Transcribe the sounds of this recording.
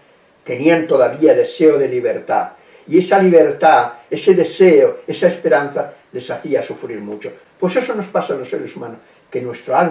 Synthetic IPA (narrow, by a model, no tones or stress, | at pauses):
t̪e̞niant̪oðaβiaðeseoðe̞liβ̞eɾt̪a̰ | ie̞saliβ̞eɾt̪aese̞ðe̞seoe̞saespe̞ɾan̟θale̞saθiasufɾiɾmut͡ʃo | pwo̞se̞sono̞spasalosːḛɾesumãnos | kenwe̞st̪ɾoal